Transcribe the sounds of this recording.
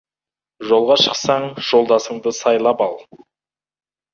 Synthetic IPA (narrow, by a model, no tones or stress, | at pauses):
ʒo̞lˠʁɑʃə̥qsɑɴʒ̥o̞lˠd̪ɑsəɴd̪əsɑjlˠɑpɑlˠ